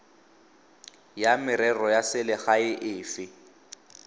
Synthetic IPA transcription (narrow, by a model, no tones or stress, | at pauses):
jamɪɾɛrɔjasɪlɪχaɪʔɪːfɪ